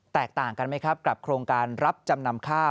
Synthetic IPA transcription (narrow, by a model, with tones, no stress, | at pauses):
t̪ɛː˨˩k̚t̪aː˨˩ŋka˧nma˦˥jkʰɾa˦˥p̚ka˨˩p̚kʰɾoː˧ŋkaː˧nɾa˦˥p̚t͡ɕa˧mna˧mkʰaː˥˩